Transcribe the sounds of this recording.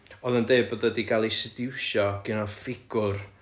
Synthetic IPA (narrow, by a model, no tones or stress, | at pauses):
ɔðəndeɨbodədiɡalˠisɪdɪwʃɔɡ̥ɪnɔðfɪɡ̥ʊr